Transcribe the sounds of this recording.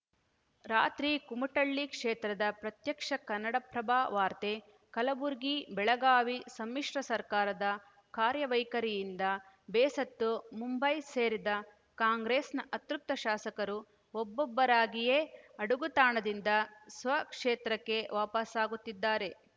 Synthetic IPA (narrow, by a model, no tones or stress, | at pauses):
ɾaːt̪ɾikumɐʈɐɭːikʂeːt̪ɾɐd̪ɐpɾɐt̪jɐkʂɐkɐnːɐɽɐpɾɐbaːʋaːɾt̪e | kɐlɐbuɾɡibɛɭɐɡaːʋisɐmːiʂɾɐsɐɾkaːɾɐd̪ɐ | kaːɾjɐʋɐjkɐɾijind̪ɐ | bɛːsɐt̪ːumumbɐjseːɾid̪ɐ | kaːŋɡɾeːsnɐʔɐt̪ɾup̚t̪ːɐʃaːsɐkɐɾu | ɔbːɔbːɐɾaːɡijeːɐɽuɡut̪aːɳɐd̪ind̪ɐsʋɐkʂeːt̪ɾɐkːe̞ʋaːpɐsaːɡut̪ːid̪ːaːɾe̞